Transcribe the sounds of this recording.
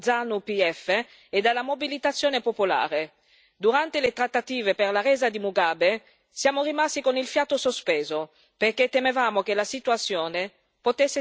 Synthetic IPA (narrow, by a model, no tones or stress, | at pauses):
d̪zanupiɛfeː | d̪alːamobilit̪at̪sːjoːnepopola̰ːɾe | d̪uɾant̪elet̪ɾat̪ːat̪iːveperlarɛːzad̪imuɡaːbe | sjaːmorimast̪ikonilfjaːt̪osospeːzo | perket̪ːemevaːmok̟elasit̪uat̪sːjoːne | pot̪esːe